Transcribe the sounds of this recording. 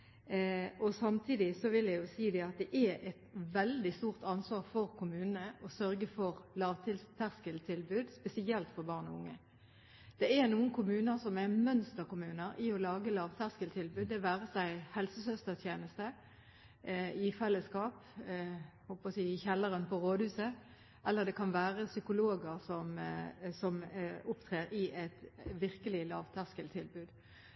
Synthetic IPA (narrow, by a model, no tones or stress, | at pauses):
ʔɔsɑmt̪ʰiːd̪ɪsɔʋɪljæjʊsiːd̪ɛɑt̪̚d̪ɛʔɛʔɛt̪ʋɛld̪ɪst̪uːʁt̪ɑnsʋɑːʁfɔʁkʰʊmʉːnənəʔɔsœʁɡəfɔʁlɑːʋt̪ʰɪlt̪ʰæʁskəlt̪ʰɪlbʉːd̪spɛsɪɛlt̪fɔʁbɑːʁnɔ̰ʊŋːə | d̪̥ɛɛɾnuːənkʰʊmʉːnəɾsɔmɛmœnst̪əʁkʊmʉːnəɾɪɔlɑːɡəlɑːʋt̪ʰæʁskəlt̪ʰɪlbʉːd̪ːɛʋæːʁəsæɪhɛlsəsœst̪əʁt̪ʰjeːnəst̪ə | ɪfɛlːəskɑːp | hɔlpɔsiːɪçɛlːəʁənpʰɔʁoːd̪hʉːsə | ʔɛlːəʁd̪ɛkʰɑnʋæːʁəsʏkʊloːɡəʁsɔmsɔmʊpt̪ʰʁeːɾɪʔɛt̪ʋɪʁkəlɪlɑːʋt̪ʰæʁskəlt̪ʰɪlbʉːd̪